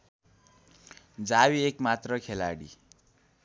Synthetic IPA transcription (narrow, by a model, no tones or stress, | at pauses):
d͡zawiekmat̪rʌkʰela̰ɽḭ